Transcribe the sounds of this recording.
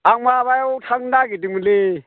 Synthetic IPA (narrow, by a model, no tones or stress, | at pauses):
aŋwaβajaʊtʰaŋ̩nakɪdimuleː